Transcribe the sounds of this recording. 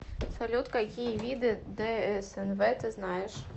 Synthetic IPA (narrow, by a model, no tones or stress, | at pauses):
salʲut̪kakʲijɐvʲid̪ɨd̪ɛɛsɛnvɛt̪ɨznajɛʂ